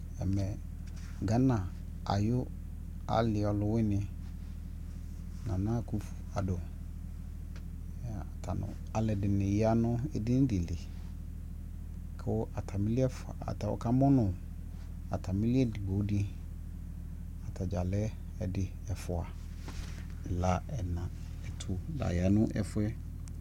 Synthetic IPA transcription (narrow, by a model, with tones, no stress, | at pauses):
ɛ˨mɛ˨ | ɡa˨˦nã˨ | a̰˨jʊ˦ | a̰˨lɪ˨ɔ˨lʊ˨wɪ˦nɪ̃˦ | nã˨nã˦˨ku˦fu̥˨a˨dʊ˨ | tʰa˨nʊ̰̃˨ | a˨lɛ˨dɪ˨nɪ̃˨ja˦nʊ̃˦ɛ˨dɪ˦n˦dɪ˨lɪ˨ | kʰʊ˦a˨tʰa˨mĩ˦li˦ɛ˦fa̰˨tʰa˨ɔ̰˨kʰa˦mɔ̃˦nʊ̃˨ | a˨tʰa˨mĩ˦lɪ˦ɛ˦dɪ˨ɡo˨˦di˦ | a˨tʰa˨d͡ʒa˨lɛ˦ | ɛ˨dɪ˨ | ɛ˨fʊ˨a˨ | ɛ˨la˦ɛ˨nã˨ | ɛ˨tʰʊ˨da̰˨ja˨˦nʊ̃˦ʔɛ̰˨fʊ˦ɛ˦